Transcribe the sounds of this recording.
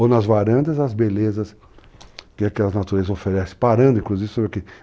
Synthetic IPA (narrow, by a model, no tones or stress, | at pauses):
onɐzvaɾɐ̃nd̪ɐzɐzbelezɐs | kɪakɛlɐznat̪uɾezɐzofeɾɛsɪ̥̃paɾɐ̃nd̪ʊĩkluzivɪsõbke